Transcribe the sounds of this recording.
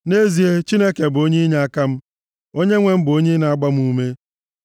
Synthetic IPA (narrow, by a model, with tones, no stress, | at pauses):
ne˦zi˨e˦t͡ʃi˦ne˦ke˨bo˦ɲe˦ɲa˦a˦ka˦m̩˦ | o˦ɲe˦ŋʷe˦m̩˦bo˦ɲe˦na˨a˦ɡ͡ba˦m̩˦u˦me˦